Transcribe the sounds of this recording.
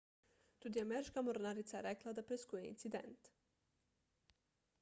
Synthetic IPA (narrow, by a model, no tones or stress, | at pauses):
t̪ud̪iamɛɾiʃkamoɾnaɾit̪saeɾɛklˠad̪apɾɛskujeḭnt̪sid̪ḛnt̪